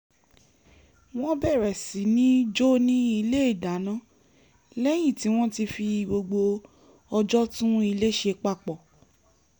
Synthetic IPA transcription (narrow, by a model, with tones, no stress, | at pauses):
w̃ɔ̃˦bɛ˦˨ɾɛ˨si˨˦nĩ˦d͡ʒo˦nĩ˦i˧le˦i˦˨da˨˦nã˦ | lɛ˦j̃ĩ˦˨ti˨˦w̃ɔ̃˦ti˧fi˧˨ɡ͡bo˧ɡ͡bo˧ | ɔ˧d͡ʒɔ˦tũ˦i˧le˦ʃe˧k͡pa˦˨k͡pɔ˨